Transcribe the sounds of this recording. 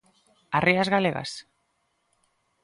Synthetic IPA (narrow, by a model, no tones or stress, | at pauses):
ariazɣaleɣa̰s